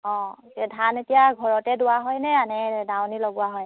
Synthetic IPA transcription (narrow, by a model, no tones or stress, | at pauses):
ɔ̃tɛdʱanetijaɡʱɔɹɔtɛdʊwaɦɔjnɛanɛdawniloɡʊaɦɔj